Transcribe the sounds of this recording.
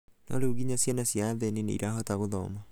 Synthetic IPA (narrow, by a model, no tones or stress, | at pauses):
na̰oɾeuɣiɲasjanasjaðɛninḛḭɾʔaɦɔtaɣoðɔ̰ma